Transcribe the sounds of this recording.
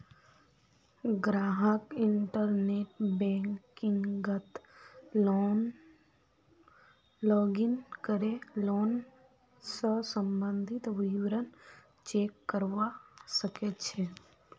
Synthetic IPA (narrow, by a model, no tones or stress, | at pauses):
ɡɾaːɦəkiɳʈəɾneʈbɛ̃ŋkiŋɡɡət̪ln | lɔːɡinkəɾeloːn | səsəmbənd̪ʱit̪ʋiʋɾən | t͡ʃeːkːəɾʋasəket͡ʃʰɛ